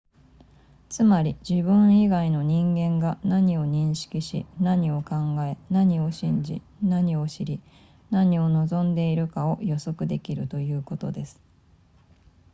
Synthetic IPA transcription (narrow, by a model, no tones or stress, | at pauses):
t͡sɨmaɾʲid͡ʑibɯ̟̃ɰ̃iɡaino̞ɲ̟ĩŋɡẽ̞ŋɡanaɲ̟io̞ɲ̟ĩɰ̃ɕi̥kʲiɕḭnaɲ̟io̞kãŋɡae̞naɲ̟io̞ɕĩɲ̟d͡ʑḭ | naɲ̟io̞ɕiɾʲi | naɲ̟io̞no̞zõ̞nd̪e̞iɾɯ̟kao̞jo̞so̞kɯ̟d̪e̞kʲiɾɯ̟t̪o̞jɯ̟ːko̞t̪o̞d̪e̞sɨ̥